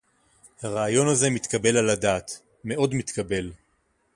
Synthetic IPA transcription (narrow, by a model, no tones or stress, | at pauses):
haʁaːjo̞naze̞mit̪kabe̞laladaːt̪ | me̞ʔo̞dmit̪kabe̞l